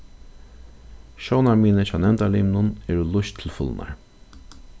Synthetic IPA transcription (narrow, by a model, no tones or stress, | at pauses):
ʃownaɹmiːnət͡ɕʰaːnɛmnt̪aliːmnʊnɛɹulʊʃt̪ʰɪlfʊ̰lnʔa̰ɹ